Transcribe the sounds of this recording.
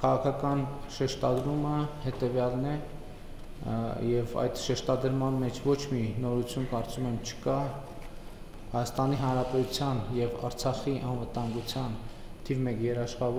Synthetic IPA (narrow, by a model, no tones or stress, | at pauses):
kʰɑʁɑkʰɑkɑnʃɛʃt̪ɑd̪ɾuməhɛt̪ɛvjɑlnɛ | jɛvɑ̰jd̪ʃɛʃt̪ɑd̪əɾmɑnmɛt͡ʃʰvɔt͡ʃʰminɔɾut͡sʰjunkɑɾt͡sumɛmt͡ʃʰə̥kɑ | hɑjɑst̪ɑniɦɑnɾɑpɛt̪ut͡sʰjɑnjɛvɑɾt͡sʰɑχiʔɑnvət̪ɑŋɡut͡sʰjɑn | t̪ʰivmɛkjɛɾɑʃχɑv